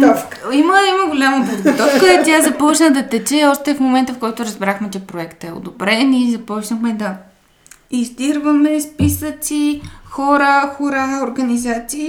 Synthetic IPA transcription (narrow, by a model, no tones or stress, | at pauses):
iməiməɡolʲaməpod̪ɡot̪ɔfkəɛt̪ʲazɐpɔt͡ʃnəd̪ɐt̪ɛt͡ʃɛɔʃt̪ɛfmomɛnt̪əfkɔjt̪ʊɾɐzbɾaxmɛt͡ʃɛpɾoɛkt̪ɛo̰d̪obɾɛnizɐpɔt͡ʃnəxmɛd̪ɐ | izd̪iɾvəmɛspisət̪sixɔɾəxoɾaoɾɡɐnizat̪siː